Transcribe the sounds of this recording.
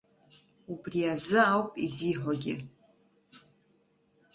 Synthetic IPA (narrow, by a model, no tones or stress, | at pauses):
ubriazɨawpʼiziːħʷaɡʲɪ̰